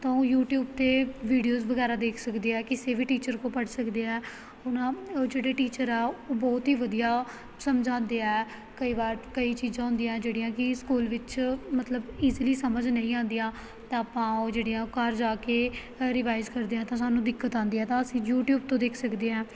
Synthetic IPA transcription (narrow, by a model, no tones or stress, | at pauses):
t̪ãːoːjuːʈjuːb̚t̪eːʋiːɖijoːzʋəɡɛːɾaːd̪eːkʰsəkd̪eːɛːkɪseːʋiːʈiːt͡ʃəɾkõːpəɽsəkd̪eːɛː | ʊnãːd͡ʒeːɽeːʈiːt͡ʃəɾɛːoːbɔːt̪ɦiːʋəd̪ijaː | səmd͡ʒʱãːnd̪eːɛː | kəiːbaːɾkəiːt͡ʃiːzãːɦʊ̃nd̪ijãːd͡ʒeːɽijãːkɪskuːlʋɪt͡ʃmət̪ləbiːziliːsəməd͡ʒnə̃ĩːãːnd̪ijãː | t̪ãːaːpːãːod͡ʒeːɽijãːkaɾd͡ʒaːkeː | ɾɪʋaːɪzkəɾd̪eːãːt̪ãːsaːnũːd̪ɪkːət̪ãːnd̪iːɛːt̪ãːəsĩːjuːʈjuːb̚t̪õːd̪eːkʰsəkd̪eːɛ̃ː